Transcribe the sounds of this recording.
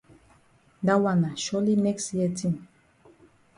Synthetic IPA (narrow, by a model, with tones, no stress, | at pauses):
da˦wa˨na˨ʃɔ˦li˦nɛ˦kstjɛ˦tʰĩ˦˨m